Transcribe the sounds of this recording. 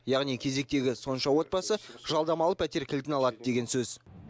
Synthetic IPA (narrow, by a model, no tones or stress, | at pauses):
jɑʁnijkʲʰe̞ze̞k̚t̪e̞ɡʲɪso̞nʃɑwo̞t̪̚pɑsəʒɑlˠd̪ɑmɑlˠəpʰæt̪e̞ɾkʲʰɪlt̪ɪnɑlˠɑd̪əd̪e̞ɡʲe̞nsɵz